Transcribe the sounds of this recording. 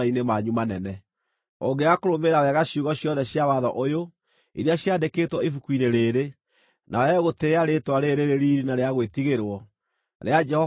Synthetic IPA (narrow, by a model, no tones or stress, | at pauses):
ainemaɲumanɛnɛ | oɡeakoɾomeɾawɛɣaɕjuɣɔɕjɔðɛɕjawaðɔʔojo | iɾeaɕjadekeːtwɔifukwineɾeːɾe | nʔaɛɣoteaɾetwaɾeɾeɾeɾiːɾinaɾeaɣwetiɣeɾwɔ | ɾead͡ʒɛhɔ